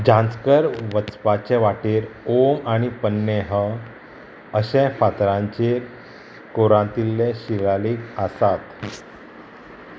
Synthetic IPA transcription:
d͡ʑãnt͡skəɾʋət͡spat͡ɕeʋaʈiːɾomaɽ̃ipənːeɦə | əɕẽfat̪ɾãɲt͡ɕeɾ | koɾãt̪ilːeɕilaliːkasat̪

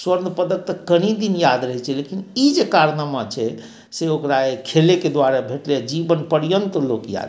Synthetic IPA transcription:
swəɾnpəd̪ək̚t̪əkəɽ̃id̪injad̪ɾəɦɛt͡ʃʰɛlekinid͡ʒekaɾnamat͡ʃʰɛ | seokɾaekʰeleked̪waɾabʱeʈled͡ʒibənpəɾijənt̪lokja̰d̪

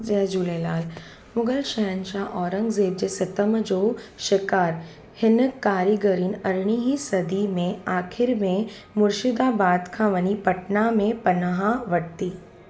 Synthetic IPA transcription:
d͡ʒɛd͡ʒuleːlaːl | mʊɡəlʃɐjənʃaːʔɔːɾəŋɡzeːb̚d͡ʒesɐt̪əmd͡ʒoːʃɪkaːɾ | hɪnkːaːɾiɡəɾiːnɐɾɳ̃iɦisɐd̪imẽaːkʰɪɾmẽ | mʊɾʃɪd̪aːbaːd̪kʰãʋənipɐʈnamẽpɐnəɦaʋɐɽt̪iː

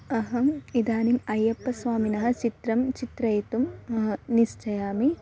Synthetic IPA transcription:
ɐɦɐid̪aːnimɐjːɐpːɐsʋaːminɐɦɐ̆t͡ʃit̪ɾɐmt͡ʃit̪ɾɐjɐt̪umɐnist͡ʃɐjaːmi

